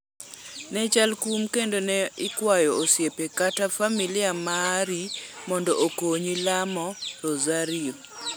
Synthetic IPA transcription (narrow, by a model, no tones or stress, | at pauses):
nɛt͡ʃalkumkendonɛɪkwajɔːsjepekatafamilɪamaɾimɔndɔʔokoɲilamɔɾozaɾio